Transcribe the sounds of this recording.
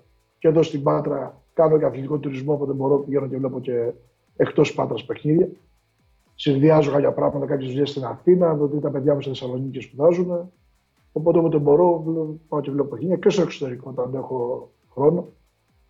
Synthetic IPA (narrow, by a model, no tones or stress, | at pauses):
ce̞ðo̞st̪ibɐt̪ɾɐ | kɐnokɐθlit̪iko̞t̪uɾizmo̞opot̪e̞bo̞ɾo̞piʝenoce̞vle̞po̞ce̞ː | kt̪o̞spɐt̪ɾɐspexniðʝɐ | sinðiɐzokɐɐpɾɐɣmɐt̪ɐkɐpçeuʝest̪inɐθinɐðiot̪it̪ɐpe̞ðʝɐmust̪iθesɐlo̞nicespuðɐzune̞ | opo̞t̪epo̞t̪ebo̞ɾo̞vlpɐocevlepopexniðjɐce̞st̪oeksot̪e̞ɾikot̪ːɐne̞xo̞ | xɾo̞no